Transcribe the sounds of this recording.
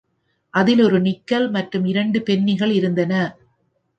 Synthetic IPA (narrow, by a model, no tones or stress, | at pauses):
ʔɐðɪlɔɾɯnɪkːɐlmɐʈrɯmɪɾɐɳɖɯpɛnːɪɣɐɭɪɾɯnd̪ɐnɐ